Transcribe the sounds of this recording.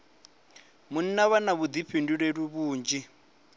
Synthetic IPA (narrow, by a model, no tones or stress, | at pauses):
mun̩naβanaβud̪ipʰinduɺeɺuβuːnd͡ʒi